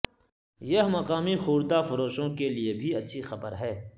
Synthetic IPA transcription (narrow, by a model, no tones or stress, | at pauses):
jɐɦmɐqaːmixuːɾd̪afʊɾoːʃõkeliebʱiɐtːʃʰixɐbəɾɦɛː